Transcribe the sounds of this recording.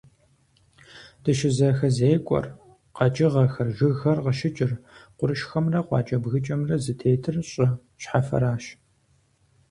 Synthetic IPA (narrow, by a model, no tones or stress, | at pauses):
d̥ɨʃɪzɐxɐzeːkʷʼɔ̰r | qɐt͡ʃʼɪʁɐxɐrʒɨɣxɐrqəʃɪt͡ʃʼɪrqʷʊɾɨʃxɐmrɐqʷɑ̰ːt͡ʃʼɐbɣɨt͡ʃʼɐmrɐzɨtʰeːtʰɨrɕʼɪ | ʃħafɐ̰ɾaːʃ